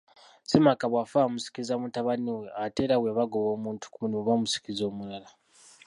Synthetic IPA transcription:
simakaβwafamusi̥kizamutaβaniwe̞ate̞ɾaweβaɡoβo̞ːmuːntu̥kumunimoβamusi̥kizo̞ːmuɾala

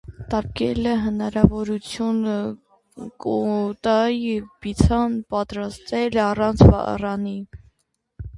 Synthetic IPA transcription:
t̪ɑɾ̚kɛləɦənɑɾɑvɔɾut͡sʰjunə | kɔt̪ɑjivbit͡sʰɑnpɑt̪ɾɑst̪ɛlɑrɑnt͡sʰvɑ̰rɑni

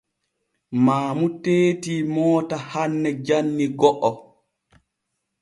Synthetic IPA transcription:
maːmuteːtiːmɔːtahanːɛd͡ʒanːiɡɔʔɔ

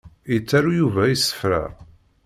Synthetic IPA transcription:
jət͡sːaɾujuvæjisːə̥fɾæ̰

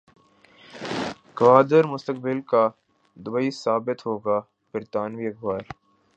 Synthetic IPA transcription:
kʋaːd̪əɾmʊst̪əkbɪlka | d̪ʊbəisaːbɪt̪ɦoːɡaː | bɪɾt̪aːnʋiːɐkʰbaːɾ

